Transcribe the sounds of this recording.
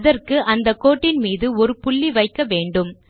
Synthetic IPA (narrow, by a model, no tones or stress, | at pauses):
ðɐrkɯʔɐnd̪ɐkːoːʈːɪnmiːðɯɔɾɯpʊɭːiʋɐɪkːɐʋeːɳɖɯm